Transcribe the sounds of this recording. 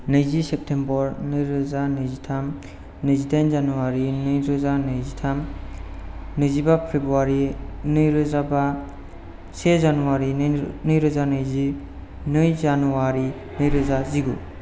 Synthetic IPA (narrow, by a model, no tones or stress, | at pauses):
nɯjzisep̚tʰembɔɾnɯɾɯzanɯjzitʰam | nɯjzitʰajnzanuwaɾinɯjɾɯzanɯjzitʰam | nɯjzibapʰɾebɾuwaɾinɯjɾɯzaba | sezanuwaɾinɯjɾɯzanɯjzi | nɯjzanuwaɾi | nɯjɾɯzaziɡṵ